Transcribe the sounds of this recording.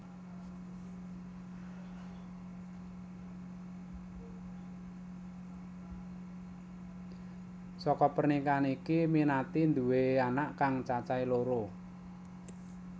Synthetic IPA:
sɔkɔpərnikanikiminat̪ind̪uweanaʔkaŋt͡ʃat͡ʃailoɾo

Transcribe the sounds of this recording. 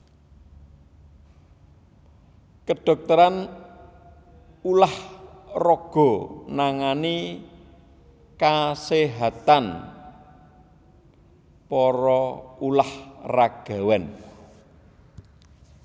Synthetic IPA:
kəɖ̥ɔ̤k̚t̪əɾan | ulahrɔɡ̥ɔ̤naŋani | kaseɦat̪an | pɔɾɔulahraɡ̥a̤wɛn

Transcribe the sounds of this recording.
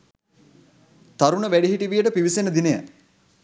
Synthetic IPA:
t̪aɾunəʋæɖiɦiʈiʋijəʈəpiʋisenəd̪ineja̰

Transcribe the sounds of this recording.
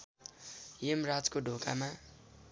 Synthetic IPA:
jemrad͡zkoɖʱoka̰ma

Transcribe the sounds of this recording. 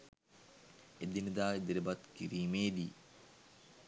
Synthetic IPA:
ed̪inəd̪aːid̪elebat̪kiɾiːmeːd̪iː

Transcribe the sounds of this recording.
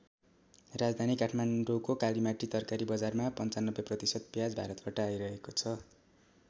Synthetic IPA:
rad͡zd̪ʱanikaʈʰmaɳɖokokalimaʈit̪ʌrkaɾibʌd͡zarmapʌnt͡sanːʌbːeprʌt̪isʌd̪̚pjad͡zbʱaɾʌt̪baʈʌːjɾʌɦekot͡sʰʌ

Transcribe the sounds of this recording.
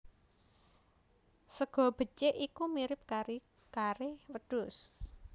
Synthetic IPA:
səɡ̥ɔ̤b̥ə̤t͡ʃeʔikumiɾɪp̚kaɾi | kaɾɪwəd̥ʊs

